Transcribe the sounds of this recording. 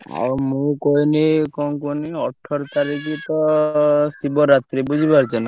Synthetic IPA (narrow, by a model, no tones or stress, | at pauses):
a̰mũkɔɦinekɔŋkoniɔʈʰːɔɾt̪aɾikit̪ɔ | sibɔɾat̪ɾibud͡ʒʱibaɾt͡ʃɛna